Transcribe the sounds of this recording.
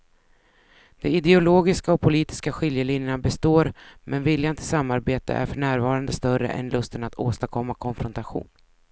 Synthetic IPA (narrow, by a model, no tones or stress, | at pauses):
d̪̥ɛɪd̪ɛʊloːɡɪskaɔpʰʊliːt̪ɪ̥skaɧɪljəlɪnjəɳabɛst̪oːɾmʔɛnvɪljant̪ʰɪsamːaɾbeːt̪ʰə̰ʔæ̰ɾfœɳæːɾvɑːɾand̪əst̪œɾə̰ʔɛ̰nlɵst̪ənat̪ʰo̰ːst̪akʰɔmːakʰɔnfɾɔnt̪aɧṵːn